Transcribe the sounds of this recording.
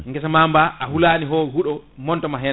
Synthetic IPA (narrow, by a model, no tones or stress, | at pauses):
ŋɡɛsamambaʔahulaːniɦɔhuɗɔmɔntɔmaɦɛn